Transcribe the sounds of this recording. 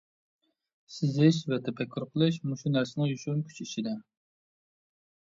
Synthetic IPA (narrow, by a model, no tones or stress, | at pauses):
sɪzɪʃ̬vɛt̪ʰɛpʰɛkʲʰːyɾqʰəlˠɨʃmuʃunæɾsɪnɨŋjyʃunkʲʰy̥t͡ʃʰiʃid̪ɛ